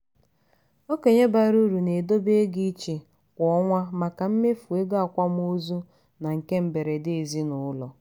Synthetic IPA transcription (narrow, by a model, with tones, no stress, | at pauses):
o˦ke˨ɲe˦ba˦ɾu˦ɾu˨ne˨do˦be˦ɡi˦t͡ʃe˨ | kʷɔ˨˦ŋʷa˦ma˨ka˨m̩˦me˦fu˨e˦ɡa˨kʷa˦m˦o˦zu˦ | na˨ŋ̩˨ke˦m̩˦be˨ɾe˨dɪ˦e˨zi˦nʊ˨˦lɔ˨